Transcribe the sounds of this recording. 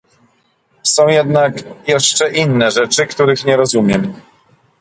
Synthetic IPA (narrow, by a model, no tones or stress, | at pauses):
sɔ̃w̃jɛd̪nakjɛʂt͡ʂɛʔinːɛʐɛt͡ʂɘkt̪uɾɘxɲɛɾɔzumʲjɛm